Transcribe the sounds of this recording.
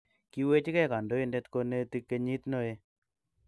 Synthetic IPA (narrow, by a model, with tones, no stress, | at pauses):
ki˦we˦t͡ʃi˦kɛ˦˨ka˨ndo˦i˦ndɛ˦tko˧ne˦ti˦kːe˧ɲi˦tno˦e˦